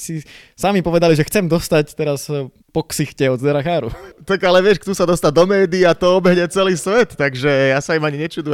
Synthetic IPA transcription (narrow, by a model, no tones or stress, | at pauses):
sisamipɔʋɛd̪aliʒɛxt͡sɛmd̪ɔst̪act̪ɛɾas | pɔksixcɛɔd̪zd̪ɛɾaxaːɾṵt̪akalɛʋɪɛʃkt̪usad̪ɔst̪ad̪ɔmɛːd̪iat̪ɔɔbɛɦɲɛt͡sɛliːsʋɛt̪ːaɡʒɛjasaimaɲiɲɛt͡ʃuːd̪u